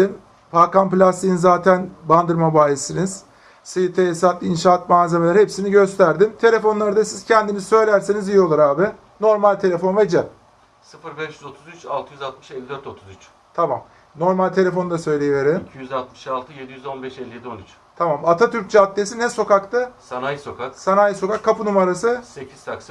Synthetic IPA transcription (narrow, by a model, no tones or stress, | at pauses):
m | pʰakanplʲast̪ijinzaːt̪ʰænband̪ɯɾmabaːjesiniz̥ | sɯjɯt̪ʰeesat̪inʃaːat̪maːze̞melʲæɾhɦepsiniɟø̞st̪ʰæɾd̪imt̪ʰe̞lʲe̞fo̞nlˠaɾɯd̪asiz̥cʰɛnd̪inizsø̞jlʲæɾsenizijio̞lˠuɾaːbɪ | no̞ɾmalʲt̪ʰe̞lʲe̞fo̞nved͡ʒɛ | sɯfɯɾbɛʃjyzo̞t̪ʰuzyt͡ʃalˠt̪ʰɯjyzalˠt̪mɯ̥ʃelʲːid̪øɾt̪ʰo̞t̪ʰuzyt͡ʃ | t̪ʰamam | no̞ɾmalʲt̪ʰe̞lʲe̞fo̞nd̪asø̞jlʲejive̞ɾemicʰijyzalˠt̪mɯ̥ʃalˠt̪ʰɯje̞d̪ijyzo̞nbɛʃɛlʲːije̞d̪io̞nyt͡ʃ | t̪ʰamamat̪ʰat̪ʰyɾc̚d͡ʒʰat̪ːʲesinɛso̞kakt̪ɯsanajso̞kʰaksanajso̞kakʰːapʰɯnumaɾasɯse̞cʰizt̪ʰaksa